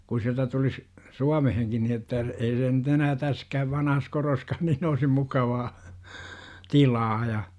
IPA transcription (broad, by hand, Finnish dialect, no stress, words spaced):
ku siæltæ tulis suɑmeheŋkin ni etːæ ei se nyt enæː tæskæːʋ ʋɑnɑhɑs koroskɑːn niːn oisim mukɑʋɑː tilɑː jɑ